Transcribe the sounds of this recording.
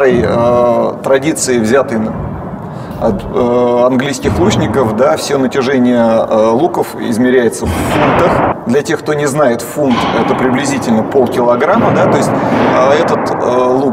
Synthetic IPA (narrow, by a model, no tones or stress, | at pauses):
ɾəjət̪ɾɐdʲit̪sɨɪvzʲat̪əjn | ɐt̪əɐnɡlʲijskʲɪxlˠut͡ɕnʲɪkəfd̪afsʲonətʲɪʐɛnʲɪjəlˠukəfɪ̰zmʲɪɾʲæjɪt̪səfːunt̪əxd̪lʲɐtʲe̞xk̚t̪o̞nʲɪznajɪt̪funt̪ɛt̪əpɾʲɪblʲɪzʲitʲɪlʲnəpo̞lˠkʲɪlˠɐɡɾamːəd̪at̪o̞jsʲt̚ʲəɛt̪ət̪əlˠu